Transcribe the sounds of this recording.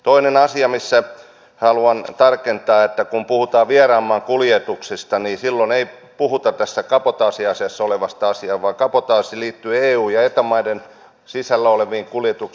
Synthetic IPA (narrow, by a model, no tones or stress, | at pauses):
t̪oinenɑsiɑmisːæ | hɑluɑnt̪ɑrkent̪ɑːet̪ːækumpuhut̪ɑːʋierɑːmːɑːŋkuljet̪uksist̪ɑniːsilːonei | puhut̪ɑt̪æsːækɑpot̪ɑːsiɑsesːoleʋɑst̪ɑɑsiɑːʋʋɑːkɑpot̪ɑːsiliːt̪ːyːeːuːjɑet̪omɑiden | sisælːæoleʋiːŋkuljet̪uk